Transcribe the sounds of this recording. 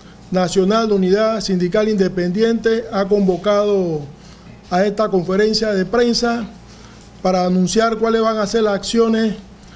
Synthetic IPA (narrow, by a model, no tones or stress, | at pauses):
nasjo̞nald̪uniðasind̪ikalind̪e̞pend̪je̞nt̪eako̞mbo̞kaðo | ae̞st̪ako̞ɱfe̞ɾe̞nsjaðepɾe̞nsa | paɾaːnũnsjaɾkwalezβaŋaseɾlasaksjo̞nes